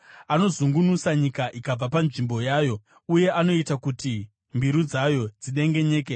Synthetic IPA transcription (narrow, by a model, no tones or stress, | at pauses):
ano̞zuŋɡunusaɲikaʔikab͡vapanʐimbo̞jaːjo̞ | uje̞ʔano̞itakuti | mbiɾud͡zajo̞d͡ziɗe̞ŋɡe̞ɲe̞ːk̬e